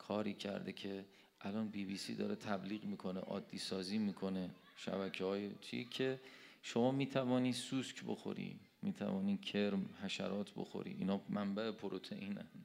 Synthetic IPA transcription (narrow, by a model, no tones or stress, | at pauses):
kʰɒːɾiːcʰæ̰ɾd̪ecʰe̞ | ʔælɒːnbiːbiːsḭːd̪ɒːɾet̪ʰæbliːɣmiːkʰo̞neʔɒ̰ːd̪ːiːsɒːziːmiːkʰo̞ne | ʃæ̰bæcʰehɒːjet͡ʃʰḭkʲʰeʃo̞mɒːmiːt̪ʰævɒːniːsuːskʰbo̰xo̞̰ɾḭː | miːt̪ʰæ̰vɒːni̥ːcʰeɾmhæʃæ̰ɾʔɒːt̪ʰbo̰xo̞̰ɾḭʔinɒːmæmbæepʰoɾot̪ʰeʔiːnæ̰n